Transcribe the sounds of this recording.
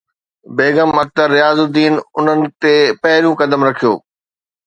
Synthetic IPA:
beːɡəmɐk̚t̪əɾːɪjaːzʊd̪iːnʊn̤ənɪ̆t̪eːpɐɦɪljũkɐd̪əmɾɐkʰijo̰ː

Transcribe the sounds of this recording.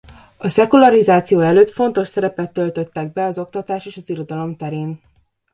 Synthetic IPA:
ɒsɛkulɒɾizaːt̪sijoːɛløːt̪fo̞nt̪o̞ʃsɛɾɛpɛt̪ːølt̪øt̪ːɛɡ̚bɛɒzo̞k̚t̪ɒt̪aːʃeːʃɒziɾo̞d̪ɒlo̞mt̪ɛɾeːn

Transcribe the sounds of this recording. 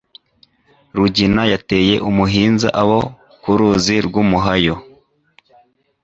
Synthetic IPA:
ɾuɟinajate̞ːje̞ʔumuɦiːnza̰ʔaβo̞ | kuɾuːziɾɡumuɦajo̞

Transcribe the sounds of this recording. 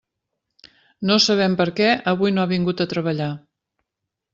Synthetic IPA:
nosəβ̞ɛmpəɾkɛəβ̞ujnoaβiŋɡut̪ət̪ɾəβəʎa

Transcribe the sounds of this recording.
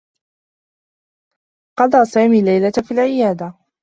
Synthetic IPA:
qɑd̪ˤɑːsaːmiːlajlat̪fiːlʕɪjaːd̪a

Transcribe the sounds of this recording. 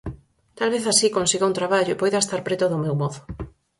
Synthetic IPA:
t̪alβeθasikonsiɣouŋt̪ɾaβaʎʊepojðaest̪aɾpɾet̪ʊðʊmewmɔðʊ

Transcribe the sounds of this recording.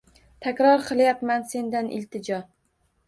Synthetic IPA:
t̪ʰakʲɾɒɾqʰɨlˠjapmanse̞nd̪anʔɪ̰lt̪ʰɪd͡ʒɒ

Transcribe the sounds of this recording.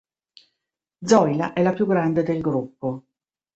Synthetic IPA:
d̪zɔjlaʔɛlapjuɡɾand̪ed̪elɡɾupːo

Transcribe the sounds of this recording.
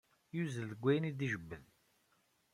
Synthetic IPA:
juzəlðəɡʷːæjənid̪iʒəbːəð

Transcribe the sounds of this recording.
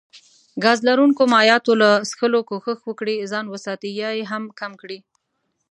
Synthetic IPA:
ɡɑzlaɾuŋkomɑjɑt̪olasxəlokoxəxwəkɽizɑnwəsɑt̪ijɑjeɦamkamkɽi

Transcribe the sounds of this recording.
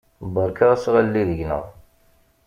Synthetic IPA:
bəɾˤkaʁæsʁalːiðəʝnə̰ʁˤ

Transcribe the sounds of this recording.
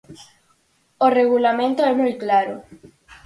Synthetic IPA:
oreɣulamẽnt̪oɛmujklaɾo

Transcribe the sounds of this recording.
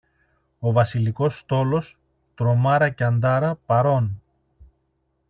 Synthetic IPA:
o̞vɐsiliko̞st̪o̞lo̞s | t̪ɾo̞mɐɾɐceɐnd̪ɐɾɐpɐɾo̞n

